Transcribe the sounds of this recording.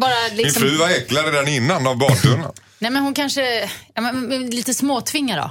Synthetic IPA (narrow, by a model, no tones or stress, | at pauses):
bɑːɾalɪmɪnsɔfɾʉ̟ːvaɛklaɾəd̪æɳɪnːanavbɑːɵnə̰ | nɛmɛnhʊnkʰanʂəjɑːmɛnɛliːt̪əsmoːt̪ʰvɪŋːad̪ɔ̰